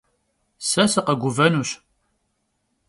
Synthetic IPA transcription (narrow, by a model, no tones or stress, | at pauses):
sæsəqəɡʷuvænuʃ